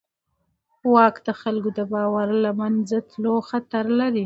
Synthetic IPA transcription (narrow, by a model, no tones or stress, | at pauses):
wɑkd̪əxalɡod̪əbɑwaɾlamanzat̪loxat̪aɾlaɾi